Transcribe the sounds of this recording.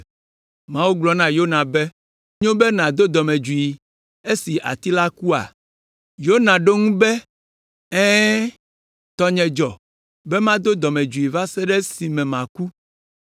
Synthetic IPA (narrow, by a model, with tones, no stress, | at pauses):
mã˦wu˦ɡ͡blɔ˦nã˦jo˦nã˨be˦ | ɲõ˦bɛ˦nã˨d̪o˦d̪ɔ˨mɛ̃˨d͡ʒu˨i˨ | e˦si˨ʔa̰˨t̪i˦la˦ku˦a̰˨ | jo˦nã˨ɖo˦ŋũ˦bɛ˦ | ɛ̃ː˦ | t̪ɔ˦ɲɛ̃˨d͡ʒɔ˨ | bɛ˦mã˦d̪o˦d̪ɔ˨mɛ̃˨d͡ʒu˨i˨va˦sɛ˦ɖɛ˦si˨mɛ̃˨mã˨ku˦